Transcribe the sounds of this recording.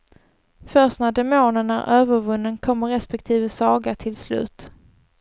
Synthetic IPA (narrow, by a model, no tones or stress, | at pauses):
fœstnæɖɛmoːnənæɾøːvəɾvɵnːənkʰɔmːəɾɛspɛk̚t̪ʰiːvəsɑːɡaʈ̪ʰɪlslʉ̟̰ːt̪